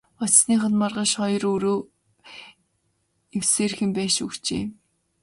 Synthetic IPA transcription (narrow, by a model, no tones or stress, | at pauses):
ɔt͡ɕsniːχə̆nmarʁə̆ʃχɔjɞrɵɾoː | ewseːrxɘ̆mpæːʃṵkt͡ɕḛː